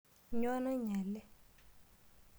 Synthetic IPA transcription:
ɲɔ˦na˦ɲɛ˨lɛ˦

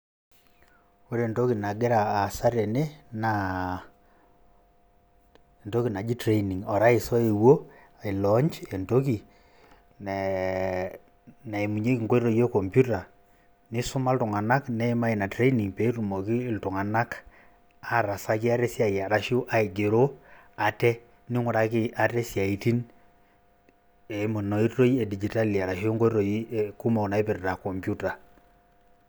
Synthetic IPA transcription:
o˦ɾe˨nto˦ki˨na˨ɡe˦ɾaː˨sa˦ɾe˨ne˦na˨ | nto˦ki˨na˨d͡ʒi˦tɾe˦ini˨ŋɔ˨ɾa˦i˨sɔ˦e˨wo˦ | a˨i˨lɔ˦ɲt͡ʃe˨nto˦ki˨ | n | na˨e˨mu˨ɲe˦ki˨ŋko˦i˦ɾo˦jo˦ko˨mpju˦ta˨ | nɪ˦su˦ma˦ltu˨ŋa˨na˦knɛ˦i˦ma˦i˨na˨tɾe˦i˦ni˨ŋpe˨˦tu˨mo˨ki˦ltu˨ŋa˨na˦k | a˦ɾa˨sa˦ki˦a˦ɾɛ˦sja˨ja˨ɾa˦ʃo˦ʔa˦e˨ɡe˨ɾo˦ | a˨tɛ˦ | nɪ˦ŋu˨ɾa˨ki˦ʔa˨tɛ˦sja˨i˨ti˦n | e˨˦mo˨no˨i˦rːo˦ie˨di˨d͡ʒi˨ta˦li˨a˨ɾa˨ʃi˦o˦ŋɡo˦i˦ɾo˨˦˨ku˦ma˨u˨na˨e˦pɪ˨ɾta˨ko˨mpju˦ta˨

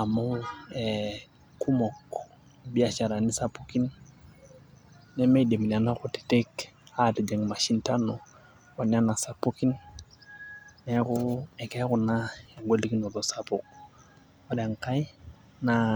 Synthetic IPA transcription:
a˨ma˦u˦ɛ | ku˦mɔ˨k | bi˨a˨t͡ʃa˨ɾa˨ni˦sa˦pu˦ki˦n | ɛ˦me˦de˨mi˨n˨a˨na˦ku˨ti̥˨te˦ka˦˨ti˨d͡ʒe˨ŋma˨ʃi˦nta˦no˨ | wa˨ni˦a˦na˨sa˨pu˦ki˦n | ɛ˨˦ku˦ɛ˨kɛ˦ku˨na˦ɛ˨ŋɡʷo˦li˦ki˦no˨lo˨sa˨pu˨k̚ | a˦da˨ŋka˦i˦ | na

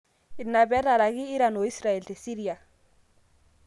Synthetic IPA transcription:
i˨lna˨bɛ˨˦ɾa˨ɾa˨kiː˦ɾa˨no˨˦i˦sɾa˨e˨lte˨si˦ɾi˦a˨

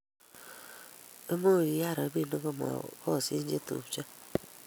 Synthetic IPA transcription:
e˦mo˦˨ɾi˨ja˦˨ɾɔ˨˦bi˦˨no˦ɡo˦mɔ̰˨kɔ˦˨si˦n̩˦d͡ʒe˦to̰˨˦t͡ʃa˦

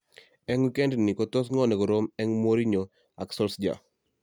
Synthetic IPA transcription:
ɛ˦ŋwi˦kɛ˦ndnɪ˨kɔ˦t̪o˦sŋɔ˦nɛ˨kɔ˨ɾo˦mɛ˦ŋmo˦ɾi˦ɲɔ˨ | a˨ksɔ˦lsd͡ʒa̰˨

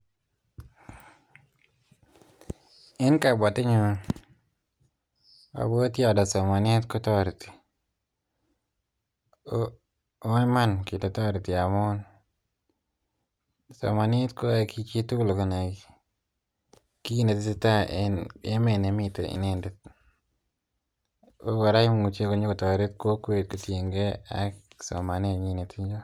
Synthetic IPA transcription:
ɪ˦nka˨bɔ˨tɪ˦ɲo˨ | a̰˨bo˦tja˦˨da˨so˨ma˨nɪ˦tko˦tɔ˦ɾti̥˨ | o˦n˦ma˦nki˨ta˨tɔ˦ɾti˨a˨mo˦n | so̰˨ma˨nɪ˦tko˦a˨ki˧t͡ʃi˦tu˦lo˨ko˦na˨ɡ | ki˦ne˨ti˦ti˦ta˦ne˦me˨ne˨mɪ˦to̰˨ʔḭ˨ne˦˨nde˨t̪̚ | o˦wa˨ɾa˦ɪ˦m˨ŋu˨t͡ʃje˦ko˨˦ɲo˦ko˨tɔ˨ɾɪ˦tko˦kwe˨t̚ko˨tje˨ŋɡe˦a̰˨ksɔ̰˨ma˨ne˦˨ɲi˦ne˨tʰi˦ɲd͡ʒo˦

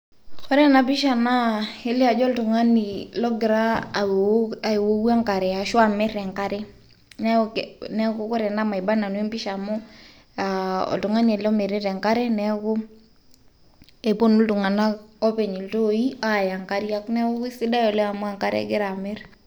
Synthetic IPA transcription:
xɔ˦ɾɛ˦na˨pɪ˦ʃa˨na˦e˦li˦a˨d͡ʒɔ˦ltu˨ŋa˦ni˨lɔ˦ɡɪ˨ɾaː˦˨ | a˨wo˦u˦a˦ŋka˨ɾɛ˨a˨ʃwa˨mɛ˦ɾɛ˨ŋka˦ɾɛ˦ | nɛ˦knɛ˦kʊ˦kɔ˦ɾɛ˨na˦ma˨i˨ba˦na˨n˦ɛ˦mpɪ˦ʃa˨mʊ˦ | a˨ɔ̰˨ltu˨ŋa˦ni˨ɛ˨lɔ˦me˨ɾi˦ɾɛ˨ŋka˦ɾɛ˦nɛ˦kʊ˦ | ɛ˨po˦nu˦ltu˨ŋa˨na˦ɔ˦pɛ˨ɲi˨lto˦i˦a˦˨ja˨ŋka˦ɾi˦a˦knɛ˦o˦i˦sɪ˦da˦jɔ˨lɛ˦a˨mʊ˦a˦˨ŋka˦ɾɛ̰˦ɡɪ˦ɾa˨mɛ˦ɾ

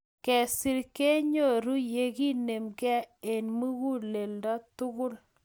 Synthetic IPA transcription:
kɛ˨si˨ɾke˦ɲo˦˨ɾu˦je˨ki˦ne˨mɡɛ˦e˨nmu˦ɣu˦le˨ldɔ˦tʊ˦ɣʊ˦l

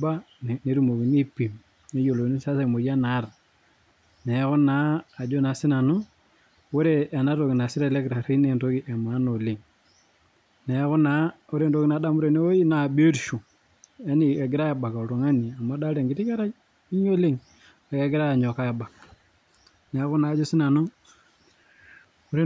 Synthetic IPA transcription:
ba˦ | n˨ne˨˦ɾu˨mo˨ki˨ni˦pi˨m | ne˦jo˨lo˨ni˦sa˦se˨mo˨ja˦na˨˦r | nɛ˨˦kʊ˦naː˨˦˨d͡ʒo˦na˨sɪ˦na˨nʊ˦ | o˦ɾeː˦˨na˦to˨kɪ˨na˨sɪ˦ɾa˦lɛ˦kɾa˨ɾi˦ne˨nto˦ki˦ʔɛ˨ma˨˦no˨le˨ŋ | nɛ˨˦kʊ˦na˨˦ | o˦ɾe˦nto˦ki˦na˨˦da˦mu˦ɾe˨ne˦o˦ji˦na˨bo˦ɾʃu˨ | ɛ˦ni˨e˨ɡɪ˦ɾa˦ja˨ba˨ka˨ɾo˨ŋa˦ni˨a˨ma˨˦da˦ɾe˨ŋɡɪ˦ti˦ka˦ɾa˦d͡ʒ | i˦ɲo˦le˦ŋ | e˨ke˨ɡɪ˦ɾa˦ja˨ɲɔ˨ka˦ja˨ba˨k | nɛ˨˦kʊ˦naː˨˦d͡ʒo˦sɪ˦na˨nʊ˦ | u˦ɾe˦

